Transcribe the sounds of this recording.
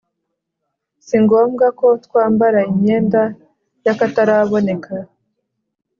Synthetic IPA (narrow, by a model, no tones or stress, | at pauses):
siŋɡo̞ːmɡako̞tkwaːmbaɾaimɲe̞ːnda | jakataɾaβo̞ne̞kʰa